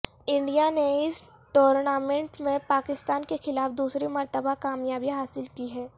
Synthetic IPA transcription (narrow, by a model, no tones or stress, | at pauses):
ɪ̃ɳɖijaneɪs | ʈoːɾnaːmẽɳʈmẽpaːkɪst̪aːnkexɪlaːfd̪uːsɾimɐɾt̪əbakaːmjaːbiɦaːsɪlkiɦɛː